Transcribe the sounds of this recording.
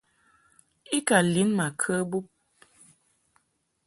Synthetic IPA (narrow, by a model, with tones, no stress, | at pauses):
i˦ka˨li˨˦nma˨kʰə˦bu˦p̚